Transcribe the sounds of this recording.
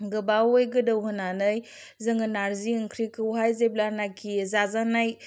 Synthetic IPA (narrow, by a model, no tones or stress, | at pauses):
ɡɯbawojɡɯdɯwɦɯnanɯj | zɯŋɯnaɾziɯŋkʰɾikɯwɦajzeblanakʰizazanaj